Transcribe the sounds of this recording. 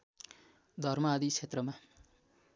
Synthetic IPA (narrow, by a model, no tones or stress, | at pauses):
d̪ʱʌrmʌːd̪it͡sʰet̪rʌma